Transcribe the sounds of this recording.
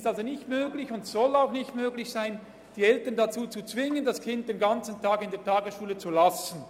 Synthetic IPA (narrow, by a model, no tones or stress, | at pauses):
stalzonɪçtmøːɡlɪçʊntsɔlaʊxnɪçtmøːɡlɪçsaɪn | d̥iːɛltəndat͡suːt͡sut͡sv̥ɪŋəndaskʰɪnt̚d̥enɡant͡sn̩tʰaːkɪndeːɐtʰaːɡəsʃuːlət͡sulasn̩